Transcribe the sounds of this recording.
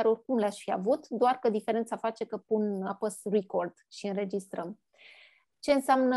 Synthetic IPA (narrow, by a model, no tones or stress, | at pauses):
aɾo̞rkumleaʃfiavut̪d̪oarkəd̪ifeɾent̪safat͡ʃe̞kəpunapəsriko̞rd̪̥ʃiɨnɾe̞d͡ʒist̪ɾəm | t͡ʃe̞ɨnseamnə